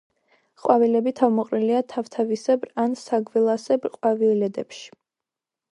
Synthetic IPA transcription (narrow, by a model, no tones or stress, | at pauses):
χʼwavilɛbit̪ʰavmɔqʼɾiliat̪ʰaft̪ʰavisɛbɾansaɡwɛlˠasɛbɾqʼwavilɛd̪ɛpʃi̥